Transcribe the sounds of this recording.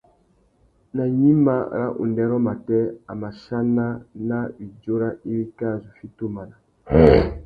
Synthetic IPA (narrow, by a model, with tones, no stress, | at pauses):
na˨ɲi˦ma˦˨ɾa̰˦ʔṵ˨ndɛ˦ɾɔ˦ma˨tɛ˦a˨ma˨ʃa˦na˦na˦i˨d͡ʒo˦ɾa˦ʔi˦ɾi˦ka˦˨zu˨fi˦to˦ma˨na˨˦˨